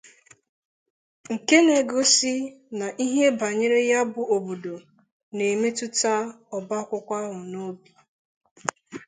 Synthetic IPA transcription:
ŋ̩˨ke˦ne˨ɡo˦si˦na˨ʔi˦ɦe˦ba˨ɲe˦ɾe˦ja˦bʊ˨o˨bo˨do˨ | ne˨me˦tʊ˦ta˦ | ɔ˨ba˦kʷʊ˦kʷa˦ɦʊ˨no˦bi˨

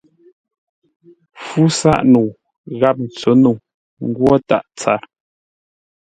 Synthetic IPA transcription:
fu˦sa̰˦˨ʔnu˨ | ɣa˦˨p̚n̩˨t͡sə˨˦nu˨ | ŋ̩˦ɡwɔ˦ta̰˦˨ʔt͡sa̰˦˨ɾ

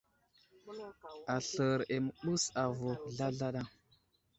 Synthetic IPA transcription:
a˨ɬə˨ɾe˨mə˨ɓu˦sa˨vo˨ɮa˦ɮa˦ɗa˦˨ŋ

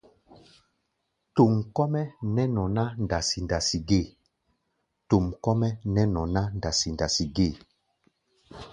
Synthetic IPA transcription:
tu˨mkɔ˦mɛ˦nɛ˦nɔ̃˨na˦nda˨si˨nda˨si˨ɡe˦˨ | to˨mkɔ˦mɛ˦nɛ˦nɔ̃˨na˦nda˨si˨nda˨si˨ɡe˦˨

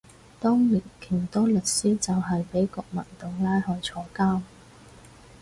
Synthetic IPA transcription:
t̪ɔː˥ŋli˨˩nkʰiː˨˩nt̪ɔː˥lɵ˨t̚siː˥t͡sɐ˨wɦɐ˨jpe˨˥jkɔː˧k̚mɐ̰˨˩nt̪ʊ˨ŋlaː˥jhɔː˨˧jt͡sʰɔː˧kaː˥m

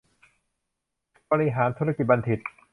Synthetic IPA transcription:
bɔː˧ɾi˧ɦaː˩˦nt̪ʰu˦˥ɾa˧ki˨˩t̪̚ba˧nt̪ʰi˨˩t̪̚

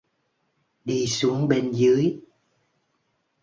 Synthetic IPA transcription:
ɗi˧su˨˦əŋɓe˧nzɨ˨˦əj

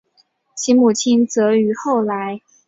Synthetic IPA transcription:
ɕi˧˥nmu˨˩t͡ɕʰi˥nt͡sɤ˧˥y˧˥xo˥˩ʊla˧˥ɪ

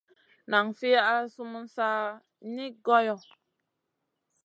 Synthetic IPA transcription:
na˨ŋfi˦a˦su˦mu˦n˦sa˦ | ni˦ɡɔ˦jɔ˨

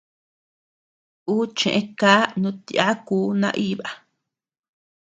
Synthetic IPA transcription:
uː˦t͡ʃḛ̃˨ʔẽ˧kaː˦nũ˧˦t̪i˧a˦kuː˦nã̰˧ʔi˦βa˨

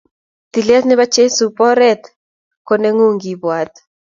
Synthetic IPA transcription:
t̪i˨lɛ˦t̪nɪ˦βa˦t͡ʃe˦su˨pɔ˦ɾɛ˦t̪ | ko˦ne˦ŋu˦ŋɡi˨bwa˨t̪̚

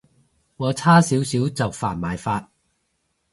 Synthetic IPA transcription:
wɔː˨˧t͡sʰaː˥siː˨˥wsiː˨˥wt͡sɐ˨wfa̰ː˨˩nmaː˨jfaː˧t̚

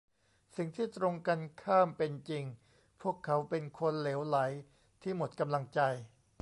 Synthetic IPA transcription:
si˨˩ŋt̪ʰiː˥˩t̪ɾo˧ŋka˧nkʰaː˥˩mpe˧nt͡ɕi˧ŋ | pʰu˥˩əkʰːa˩˦˥wpe˧nkʰo˧nleː˩˦wla˩˦j | t̪ʰiː˥˩mo˨˩t̪̚ka˧mla˧ŋt͡ɕa˧j

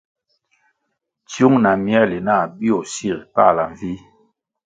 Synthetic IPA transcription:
tju˦ŋna˨mjɛ˦le˨na˦˨bi˦o˨si˦˨ɾpa˦˨la˨ɱ˨vi˦

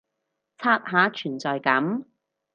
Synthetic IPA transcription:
t͡sʰaː˧t̚ɦaː˨˥t͡ʃʰyː˨˩nt͡sɔː˨jkɐ˨˥m

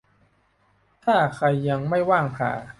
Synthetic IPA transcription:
t̪ʰaː˥˩kʰa˧jːa˧ŋma˥˩jwaː˥˩ŋpʰa̰ː˨˩˦

